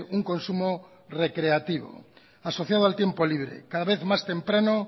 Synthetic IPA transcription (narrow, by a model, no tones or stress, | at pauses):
uŋkonsumo | rekɾeat̪iβ̞o̰ | asoθjað̞oalt̪je̞mpoliβ̞ɾḛkaðaβ̞eθmast̪empɾano